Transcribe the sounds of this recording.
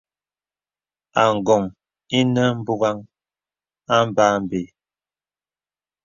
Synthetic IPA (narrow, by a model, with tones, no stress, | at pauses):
a˨ŋ˨ɡɔ˨ŋ | i˦nə˦m̩˦bu˦ɣa˦ŋ | a˦m˦ba˦m˨be˨